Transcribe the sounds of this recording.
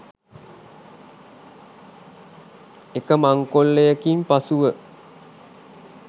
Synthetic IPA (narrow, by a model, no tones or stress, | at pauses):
ekəmaŋkolːejəkimpasuʋə